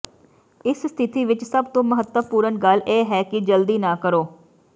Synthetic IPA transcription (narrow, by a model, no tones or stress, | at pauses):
ɪsst̪ʰɪt̪iːʋɪt͡ʃsəbt̪õːməɦət̪əpuːɾənɡəlʔeːɦɛːkɪd͡ʒəld̪iːnaːkəɾoː